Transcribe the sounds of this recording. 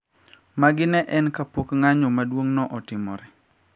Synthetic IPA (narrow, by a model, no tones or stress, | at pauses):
maɡɪnɛʔɛnkapokŋaɲɔmadwoŋnɔʔɔtɪmɔ̰ɾɛ